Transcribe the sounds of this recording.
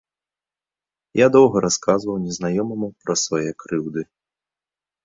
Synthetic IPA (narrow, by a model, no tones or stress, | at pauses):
jad̪ɔwɣɐɾaskazvɐwnʲɛznajɔmɐmupɾɐsvajɛkɾɨwd̪ɨ